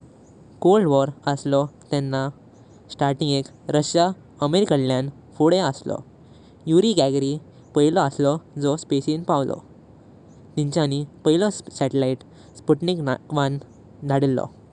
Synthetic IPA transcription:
kolɖʋɔɾəslɔt̪ɛnːa | sʈaɾʈĩŋɡek | ɾəɕja | əmeɾikəllãn | fuɽeəslɔ̰ | juɾiɡaɡɾi | pəɦilɔəslɔd͡zɔspesinpaʋlɔ̰ | t̪ĩɲt͡ɕanipəɦilɔsɛʈelaiʈ | spuʈnikʋan | d̪ʱaɽilːɔ̰

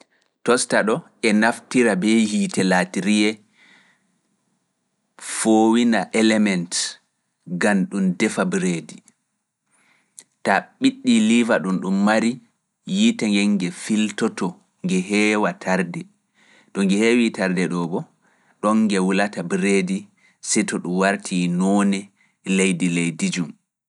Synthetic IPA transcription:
tɔstaɗɔ | ɛnaftiɾabɛjitɛlatiɾijɛ | foːwinaʔɛlɛmɛnt | ɡanɗumdɛfabɾedi | taɓiɗːilivaɗunɗumːaɾi | jitaŋɡɛŋɡɛfiltɔtɔ | ŋɡɛɦɛːwatʰaɾdɛ | ɗɔŋɡɛhewitaɾdɛɗɔbɔ | ɗɔŋːɡɛwulatabɾedi | sɛtɔɗumwaɾtʰinɔnɛ | lejdilejdid͡ʒum

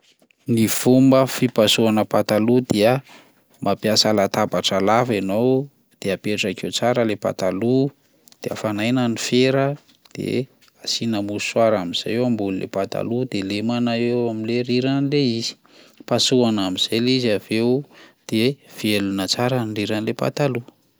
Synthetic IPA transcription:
niv̥umbəfipasuanəpat̪alud̪eə | mʔapjasalat̪abaʈ͡ʂalavenow | d̪̥eapeʈ͡ʂakewt͡saɾəlepa̰t̪alu | d̪̥eə̰fanajnənifeɾə | d̪̥ḛ | asinəmuswaɾaminz̥a̰jewambululḛpat̪a̰lud̪elemanaewamileɾiɾanleizi̥ | pasuanamiz̥ajliziav̥ewd̪̥ev̥ielunət͡saɾəɳɖ͡ʐiɾanilepa̰t̪alu

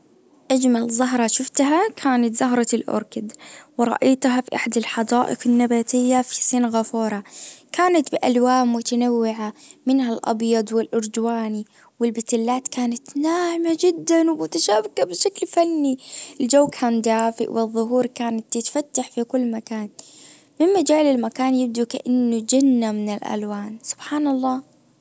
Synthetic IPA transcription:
ʔad͡ʒmalzˤɑɦɾˤɑʃʊft̪ɦakʰaːnat̪zɑɦɾˤɑlʔʊ̰ɾkɪd̪wɪɾˤɑ̰ʔajt̪ɦafiʔaħad̪alħɑd̪ˤɑːʔɪ̰qɪnːabaːt̪ɪjːafi̥siːnɣafuːɾˤɑkʰaːnat̪bɪʔalwaːmmʊt̪anawːɪʕamɪnhalʔɑ̰bjɑd̪ˤwɪlʔʊɾd̪waːni | wɪlbɪt̪ɪlːaːt̪kaːnat̪naːhɪmad͡ʒɪd̪ːanwɪmʊt̪aʃaːbɪkabɪʃaklfanːiɪld͡ʒawːkʰaːnd̪aːfɪ̰ʔwɪðˤːʊɦuːɾkaːnat̪ːɪt̪fat̪ːaħfikʊlːmakaːn | mɪmmad͡ʒaːlɪlmakaːnjɪb̚d̪ukaʔanːʊd͡ʒanːamɪnɪlʔa̰lwaːnsʊ̥b̥ħaːnɑlˤːɑː

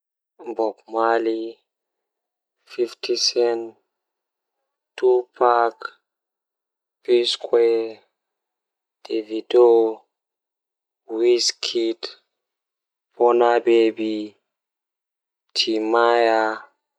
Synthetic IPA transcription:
mbɔkmali | fiftʰisɛn | tupʰak | piskʰwɛ | d̥evido | wiskʰit | pɔnabebi | tʰimaja

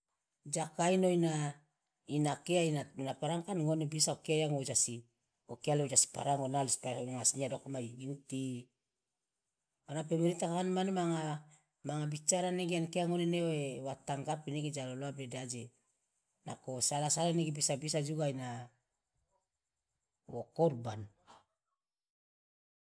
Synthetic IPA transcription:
d͡ʒakainoina | inakeainanapaɾaŋkanŋonebisaokeajaŋod͡ʒasi | okealeod͡ʒasi̥pa̰ɾaŋonalispaaŋasniadokmajɡinti | onapemeɾitakakanmanemaŋa | maŋabit͡ʃaɾaneɡeankeaŋoneneoewataŋɡapineɡed͡ʒaloloabedad͡ʒe | na̰kosalasalaneɡebisabisad͡ʒuɡajna | wokoɾban

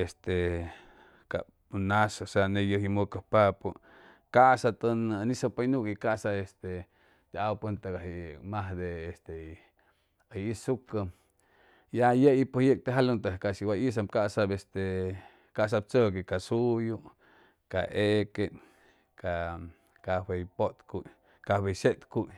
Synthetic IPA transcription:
est̪e | ka̰ | nasasanejəhjimokahpapu | kasat̪ənnisapajnukikaʔsaest̪e | d̪̥eawpənt̪aɡaɦimaɦd̪eːst̪e | ajisuka | jajeipohjek̚t̪eɦalunt̪akaʔʃiwaʔis̬amkaʔsabest̪e | kaʔs̬ab̚t͡səkekasuju | ka̰ʔeken | ka | kawejpot̪kuʔ | kaweʃet̪kuj

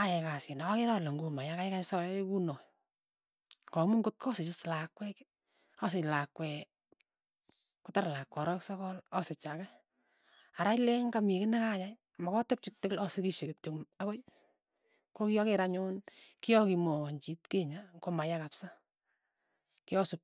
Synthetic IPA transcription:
ajɛkasɪnawakeɾaloŋɡumajakajkasɔjkunɔj | kɔmʊŋɡʊt̚kɔsɪt͡ʃɪslakwɛk | ɔsɪɲlakwɛ | kʊtaɾlakwɔɾɔksɔkɔlɔsɪt͡ʃakɛ | aɾajleŋkamikɪnɛkajaj | amakɔtep̚t͡ʃɪk̚tɪklɔsɪkiʃekɪtoakɔj | kokijɔkeɾaɲʊnkijɔkimoɲt͡ʃitkeɲaŋkomajakapsa | kɪɔsʊp̚

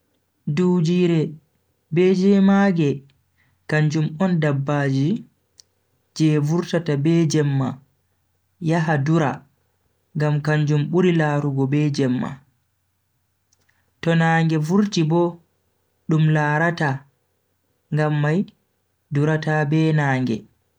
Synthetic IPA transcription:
duːd͡ʒiːɾɛ | bɛd͡ʒɛmaɡɛ | kaɲd͡ʒumɔndabːad͡ʒi | d͡ʒɛvuɾtatabɛd͡ʒɛmːa | jaɦaduɾa̰ | ŋɡamkaɲd͡ʒumɓuɾilaːɾuɡɔbɛd͡ʒɛmːa̰ | tɔnaːŋɡɛvuɾtibɔ | ɗumlaːɾata | ŋɡamːaj | duɾatabɛnaːŋɡɛ̰

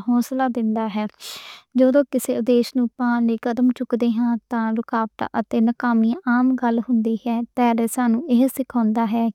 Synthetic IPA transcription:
ɦɔːslaːd̪ɪnd̪aːɦɛːd͡ʒoːd̪õːkɪseːʊd̪eːʃnũːpãːleːkəd̪əmt͡ʃʊkd̪eːɦãːt̪ãːɾʊkaːʋʈ̪ːʔət̪eːnəkaːmiːaːmɡəlɦʊnd̪iːɦɛːt̪ɛːɾeːsaːnũːʔeɦsɪkʰãːnd̪aːɦɛː

